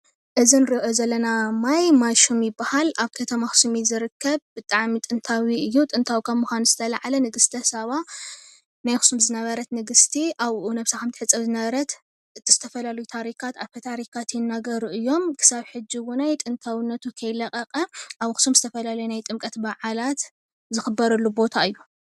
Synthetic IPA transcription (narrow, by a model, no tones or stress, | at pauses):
ʔɨzinɨɾɨʔozɐlːɐnamajmaʃumjɪbːahalaβkʰɐt̪ʰɐmaxsumizɨɾɨkʰːɐβbɨt̪ʼaʕmit̪ʼɨnt̪ʰawiɨjːut̪ʼɨnt̪ʰawikʰamuxʷanz̥ɨt̪ʰɐlaʕalɐnɨɡɨst̪ʰɐsɐβa | najxu̥sumzɨnɐβɐɾɐt̪nɨɡɨst̪ʰiʔaβʔunɐβsakɐmt̪ʰɨħɨt͡sʼːɐβzɨnɐβɐɾɐt̪ | ɨt̪ʰiz̥ɨ̥t̪ʰɐfɐlalɐjut̪ʰaɾikʰat̪aβkʰɐt̪ʰaɾikʰat̪jɪnːaɡɐɾuʔɨjːo̞mkʰɨ̥saβħɨd͡ʒiwʊnajt̪ʼɨnt̪ʰawnːɐt̪ʰukʰɐjlɐkʼɐqʼɐʔaβxu̥sumzɨt̪ʰɐfɐlalɐjunajt̪ʼɨmkʼɐt̪baʕalat̪ | zɨxɨbɐɾɐlːubo̞t̪ʰaɨjːu